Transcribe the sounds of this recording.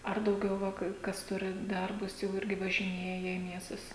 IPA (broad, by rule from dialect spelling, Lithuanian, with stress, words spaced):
ˈɐr dɐʊˈɡʲɛʊ ˈʋɐ ˈkɐɪ ˈkɐs ˈtʊrʲɪ ˈdɐrbʊs jɛʊ ˈɪrʲɡʲɪ ʋɐʒʲɪˈnʲeːjɛ iː ˈmʲiɛstʊs